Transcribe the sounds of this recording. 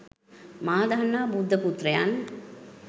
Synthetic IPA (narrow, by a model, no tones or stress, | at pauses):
maːd̪anːaːbud̪ʱːəput̪rɐjan